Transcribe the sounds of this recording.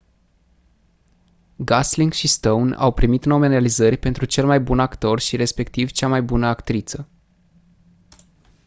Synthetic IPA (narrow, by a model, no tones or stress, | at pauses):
ɡasliŋɡʃist̪owna̰wpɾimit̪nomenealizərʲpe̞nt̪ɾut͡ʃe̞lmajbunakt̪o̞rʃiɾe̞spe̞kt̪ivt͡ʃamajbunəakt̪ɾit̪sə